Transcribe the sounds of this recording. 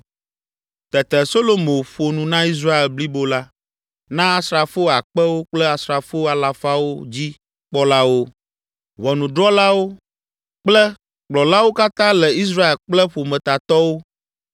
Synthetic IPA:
t̪ɛ˨t̪ɛ˨so˦lo˨mõ˨ɸo˨nũ˨nã˦i˦s̬ɾa˦e˨lbli˦bo˦la˦ | nã˦a˦˨sɾa˨fo˦a˨k͡pɛ˦wo˦k͡plɛ˦a˨sɾa˨fo˦a˨la˨fa˦wo˦d͡ʑi˦ | k͡pɔ˦la˦wo˦ | vɔ˨nũ˨ɖɾɔ˦la˦wo˦ | k͡plɛ˦ | k͡plɔ˨la˦wo˦ka˦t̪ã˦lɛ˨i˦s̬ɾa˦e˨lk͡plɛ˦ɸo˨mɛ̃˨t̪a˨t̪ɔ˦wo˦

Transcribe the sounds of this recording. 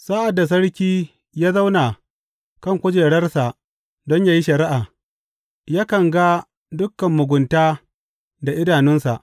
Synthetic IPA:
saː˦ʔa˨dːa˨s̬ɐ˦ɽkʲiː˦ | jaː˦za˦wna˨ | kɐ˦˨ŋkʷʊ˦d͡ʒeː˨ɽɐ˦rsa˨ʔ | dɔ˦ɲjaː˦ji˦ʃɐ˨ɾɪ˦ʔaː˨ | jaː˦kɐ˨ŋɡa˦ | dʊ˦kːɐ˨mːʊ˨ɡʷʊ˨ntaː˦ | da˨ʔɪ˦daː˨nɪ˦nsa˨ʔ

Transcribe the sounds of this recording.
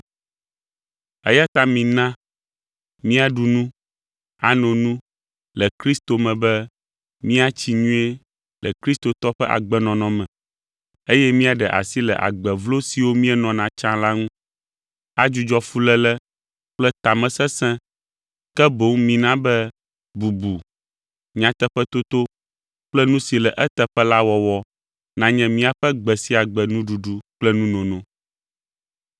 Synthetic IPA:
ɛ̰˦ja˦t̪a˦mĩ˨nã˦ | mĩ˦a˨ɖu˨nũ˦ | a˨nɔ̃˨nũ˦ | lɛ˨kɾi˦st̪o˨mɛ̃˨bɛ˦ | mĩ˦a˦t͡ɕi˨ɲũ˦e˦ | lɛ̰˨kɾi˦st̪o˨t̪ɔ˦ɸɛ˦ʔa̰˨ɡ͡bɛ˦nɔ̃˨nɔ̃˨mɛ̃˨ | e˦jɛ˦mĩ˦a˨ɖɛ˨ʔa̰˨si˦lɛ̰˨ʔa̰˨ɡ͡bɛ˨vlo˦si˨wo˦mĩ˦ɛ˦nɔ̃˨nã˨t͡ʃã˦la˦ŋũ˦ | a˦d͡ʒu˦d͡ʒɔ˦fu˦lɛ˦lɛ˦ | k͡plɛ˦t̪a˨mɛ̃˨sɛ˦sɛ̃˦ | kɛ˦bo˦ŋmĩ˨nã˦bɛ˦ | bu˨bu˨ | ɲ̃˨ã˨t̪ɛ˦ɸɛ˦t̪o˦t̪o˦ | k͡plɛ˦nũ˦si˨lɛ˨ʔɛ˦t̪ɛ˨ɸɛ˦la˦wɔ˨wɔ˦ | nã˨˦ɲɛ̃˦mĩ˦a˨ɸɛ˦ɡ͡bɛ˨si˦a˨ɡ͡bɛ˨nũ˦ɖu˨ɖu˦k͡plɛ˦nũ˦nɔ̃˨nɔ̃˦

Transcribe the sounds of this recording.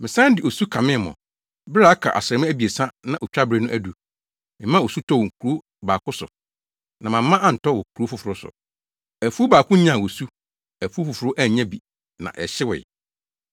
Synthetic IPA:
mɪ̃˨sã˦dɪ˨o˨su˦kʰã˨mɪ̃˦˨mɔ̰˨ | bɪ˦ɾa˦a˦kʰa̰˨ʔa̰˨sɛ˨mʊ̃˦æ˦bi˨e˨sã˦nã˨ʔo˨t͡ɕᶣa˦bɾe˦nʊ̃˦ʔæ˨du˨ | mɪ̃˨˦mã˦˨o˨su˦tʰɔ˦wɔ˨ŋ̩˨kʰu˨ɾo˦ | baː˨kʰʊ˦sʊ̰˨ | nã˨mã˨m˦mã˦ʔã˦n̩˨tɔ˦wɔ˨kʰu˨ɾo˦fʊ˨fʊ˨ɾʊ˦sʊ̰˨ | æ˨fu˦baː˨kʊ̃˦ɲã˦˨wo˨su˦ | æ˨fu˦fʊ˨fʊ˨ɾʊ˦ʔæ˦˨ɲã˦bi˨ | nã̰˨ʔɛ˨ɕɪ˦wɪ̰˨

